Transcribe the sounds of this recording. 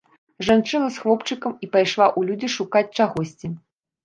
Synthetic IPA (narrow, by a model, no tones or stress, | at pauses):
ʐant͡ʂɨnɐsxlˠɔpt͡ʂɨkɐmipajʂlˠaʔulʲud͡zʲiʂukat͡sʲt͡ʂaɣɔsʲt͡sʲi